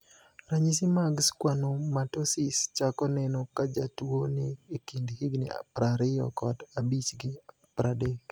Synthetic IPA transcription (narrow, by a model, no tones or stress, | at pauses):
ɾaɲis̬ɪmaɡskwanomatosɪst͡ʃakɔnɛnokad͡ʒatwoneːkindhɪɡnḭa̰pɾaɾɪjɔ̰kɔdabit͡ʃɡɪ | pɾadek